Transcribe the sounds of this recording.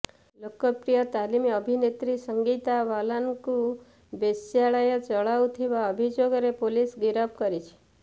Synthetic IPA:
lokəpɾijət̪alimiəbʱinet̪ɾisəŋɡit̪aʋalanku | besjaɭajət͡ʃəɭawt̪ʰiʋaəbʱid͡ʒoɡɾepolisɡiɾəp̚kəɾit͡ʃʰe̥

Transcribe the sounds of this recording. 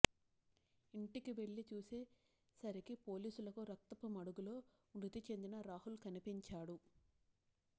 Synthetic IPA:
iɳʈikiʋe̞ɭːit͡ʃuːseː | sɐɾikipo̞ːliːsulɐkuɾɐk̚t̪ɐpumɐɽuɡulo̞ː | nut̪it͡ʃe̞nd̪inɐɾaːɦulkɐnipiɲt͡ʃaːɽu

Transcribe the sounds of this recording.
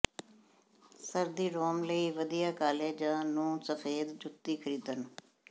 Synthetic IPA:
səɾd̪iːɾoːmləiːʋəd̪ijaːkaːleːd͡ʒãːnũːsəfʰeːd̪d͡ʒʊt̪ːiːkʰəɾiːd̪ən

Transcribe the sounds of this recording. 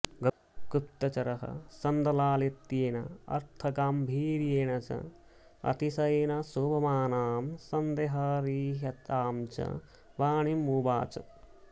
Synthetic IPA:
ɡɐ | kɾup̚t̪ɐt͡ʃɐɾɐɦɐ̰sɐnd̪ɐlaːlit̪ːiːnɐɐ̰ɾt̪ʰɐɡaːmbʱiːɾjeːɳɐt͡ʃɐ̰ | ɐ̰t̪isɐjnɐsobɐmaːnaːmsɐnd̪eːɦɐɾiːɦɐt̪aːmt͡ʃɐ̰ | ʋaːɳimuːba̰ːt͡ʃɐ̰

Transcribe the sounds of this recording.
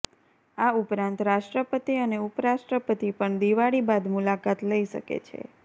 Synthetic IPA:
aupɾãnt̪ɾaʃʈɾəpət̪iəneupɾaʃʈɾəpət̪ipəɳd̪iʋaɽibad̪mulakat̪ləiʃə̰kḛt͡ʃʰḛ

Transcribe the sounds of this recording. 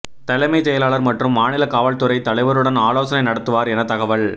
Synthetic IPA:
t̪ɐlɐɪmɐɪsɛjɐlaːɭɐɾmɐʈrɯmːaːnɪlɐkaːʋɐɭt̪ɯɾɐɪt̪ɐlɐɪʋɐɾɯɽɐnaːloːsɐnɐɪnɐɽɐt̪ːɯʋaːɾɛnɐt̪ɐɣɐʋɐɭ

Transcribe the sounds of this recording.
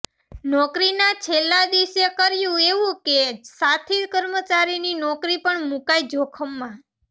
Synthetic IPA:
nɔkɾinat͡ʃʰelːad̪isekəɾjũeʋũkesat̪ʰikəɾmət͡ʃaɾininɔkɾipəɳmũkaid͡ʒokʰəmːã

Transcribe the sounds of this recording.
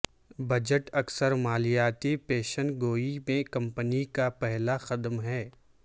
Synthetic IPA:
bɐd͡ʒəʈɐksəɾmaːlijaːt̪ipeːʃənɡoːimẽkɐ̃mpənikapɛɦlaxɐd̪mɦɛː

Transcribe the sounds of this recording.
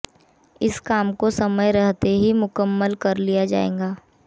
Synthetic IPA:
ɪskaːmkosɐməjɾəɦt̪eɦimʊkəmːəlkɐɾlijad͡ʒa̰ːḛ̃ːŋ̆ɡaː

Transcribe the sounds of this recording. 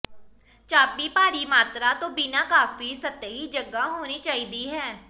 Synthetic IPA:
t͡ʃaːpiːpaːɾiːmaːt̪ɾaːt̪õːbɪnaːkaːfiːsət̪əɦiːd͡ʒəɡaɦoːniːt͡ʃaːiːd̪iːɦɛː

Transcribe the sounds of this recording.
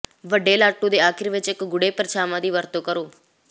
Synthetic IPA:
ʋəɖeːlaːʈũːd̪eːaːkʰɪɾʋɪt͡ʃɪkɡʊɽeːpəɾʃaːmãːd̪iːʋəɾt̪õːkəɾoː

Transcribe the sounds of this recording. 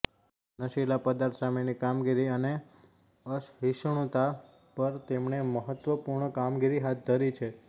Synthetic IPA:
nəʃilapəd̪aɾt̪ʰsamenikamɡiɾiəne | əsɦiʃɳ̃ũt̪a | pəɾt̪emɳeməɦət̪ʋəpuɾɳəkamɡiɾiɦat̪̚d̪ʱəɾit͡ʃʰe

